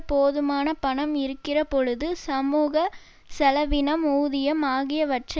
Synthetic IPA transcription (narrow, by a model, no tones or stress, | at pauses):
poːðɯmaːnɐpɐɳɐmɪɾɯkːɪrɐpɔɻɯðɯsɐmuːɣɐ | sɛlɐʋɪnɐmuːðɪjɐmaːɣɪjɐʋɐʈrɐ